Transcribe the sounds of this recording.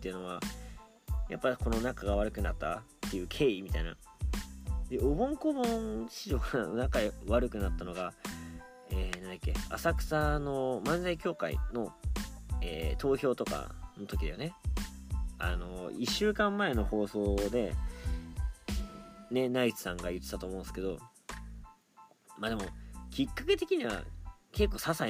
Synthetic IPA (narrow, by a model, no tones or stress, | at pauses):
t̪ːeɯ̟no̞βa | japːako̞no̞nakaɡaβaɾɯ̟kɯ̟nat̪ːa̰t̪ːe̞jɯ̟ːkʰe̞ːimʲit̪aina̰ | d̪e̞obõ̞ŋkobõŋɕiʑok̪anonakaβaɾɯ̟kɯ̟nat̪ːano̞ɡa | eːnãnd̪akʲːe̞a̰sakɯ̟̥sano̞mãnzaikʲo̞ːka̰ḭno̞ | ḛːt̪o̞ːço̞ːt̪o̞ka̰no̞t̪o̞kʲid̪ejone̞ | a̰no̞iɕːɨːkãmːae̞no̞ho̞ːso̞ːd̪e̞ | ne̞nait͡sɨ̥sãŋɡajɯ̟t̪ːe̥t̪ːat̪oːmõ̞ːnsɨ̥ke̞o̞̰ | maːd̪e̞mo̞kʲikːake̞t̪e̞kʲiɲ̟iβa̰ke̞kːo̞ːsasa